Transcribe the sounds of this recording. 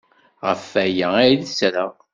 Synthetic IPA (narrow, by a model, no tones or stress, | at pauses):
ʁəfæjææjðəsɾa